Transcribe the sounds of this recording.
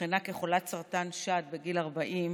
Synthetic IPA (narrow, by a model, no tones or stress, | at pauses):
χinakeχolat̪saʁt̪anʃat̪̚be̞ɡilaʁbaʔim